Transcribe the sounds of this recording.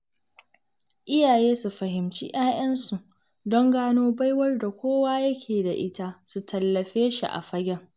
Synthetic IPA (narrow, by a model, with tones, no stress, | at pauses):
ʔɪ˦jaː˨jeː˦su˨ɸɐ˨ɦɪ˨mt͡ʃḭ˦ʔaː˦j̰ɐ˦nsu˨ʔ | dɔ˦ŋɡaː˦noː˦ba˦jwɐ˦rda˨kʷʰoː˦waː˦jɐ˦kʲʰeː˨da˨ʔɪ˦ta˦su˨tʰɐ˨lːɐ˨ɸeː˦ʃḭ˨ʔa̰˨ɸɐ˦ɡʲɛ˦ŋ